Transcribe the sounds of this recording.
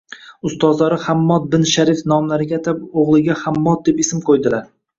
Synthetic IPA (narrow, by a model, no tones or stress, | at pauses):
ʊst̪ɒzlaɾɪhamːɒt̪̚bɪnʃaɾifnɒmlaɾɪɡʲat̪ʰapoʁlˠɪɡʲahamːɒt̪̚d̪epesɪmqʰojd̪ɪlaɾ